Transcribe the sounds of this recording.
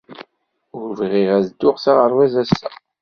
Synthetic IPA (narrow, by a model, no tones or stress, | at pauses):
ʊɾvʁiʁæzd̪ːʊʁsaʁəɾwæzæsːæ